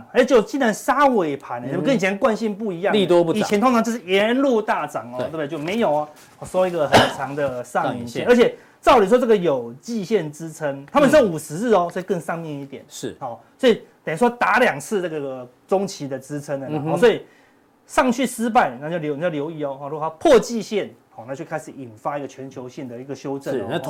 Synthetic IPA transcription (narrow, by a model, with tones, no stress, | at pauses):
xa˧˥˧t͡ɕjo˥˩ʊt͡ɕi˥nɻa˧˦nsa˥we˧˥˩ɪpʰa˧˥nə˨˧˥kə˥˦ni˨˩t͡ɕʰjɛ˧˥nkwa˥˧nɕi˥˧npu˥˩i˧˥jɑ˥˨ŋi˨t̪wɔ˥˦pu˥˩i˨ɛ˧˥nt̪ʰo˥ŋʰɑ˧ŋt͡ɕjʂ̩˥˩jɛ˧˦nlu˥˧t̪a˥˩ʈ͡ʂɑ˨˩ŋɔ˨t̪wb̪jo˥˩ʊme˧˥ɪjo˨˩ʊɐ˦ | ɔ˨˩ʂwɔ˦˥i˧˥ɡə˨xə˨˩t͡sʰɑ˧˥ŋd̪ə˨sɑ˥˧ŋi˧˩nɛ˥˨ə˞˧˥t͡ɕʰɛ˨˩ | t̪ɑ˥˩ʊli˨˩ʂ̬wɔ˥ə˥˩ɡə˨˩jo˨˩ʊt͡ɕi˥˧ɕjɛ˥˨nʈ͡ʂɻ̩˦t͡sʰə˦ŋt̪ʰa˥mə˨nʂʰə˥ŋu˨˩ʂɻ̩˧˦˥ɔ˦swɔ˧˥i˨kə˥˧ŋsɑ˥˧ŋmjɛ˥˧n˨˦i˥t̪jɛ˨˩nʂ̩˥˩ɔ˥˩swɔ˥i˨˩t̪ə˨˩ni˥˩ʂwɔ˥t̪a˧˥˦ljɑ˨˩ŋt͡s̩ʰ˥˧na˥˩ɡə˨˩ə˩ | t͡so˦˥ŋt͡ɕʰi˧˥d̪ə˨t͡sɻ̩˥t͡sʰə˧˥nə˨˩˦ɔ˥˨˩swɔ˧˥i˨˩ | ʂɑ˥˨˧ŋt͡ɕʰy˥˩s̩˥p̬a˥˩ɪna˧˩jljʊ˩˨jljo˧˥ʊi˧ɔ˨˦xɔ˥˨ɻu˧˥˨a˧˥pʰwɔ˥˧t͡ɕi˥˧ɕjɛ˥˨nhɔ˥˧˩na˥˧˩t͡ɕjo˥˧kʰa˥ɪʂɻ̩˨˩i˨˩nfa˦i˥ɡə˨t͡ɕʰɥɛ˧˦nt͡ɕʰjo˧˦ʊɕjɛ˥˩ŋd̪ə˩i˧˦˥ɡə˨ɕjo˦˥ʊʈ͡ʂə˥˧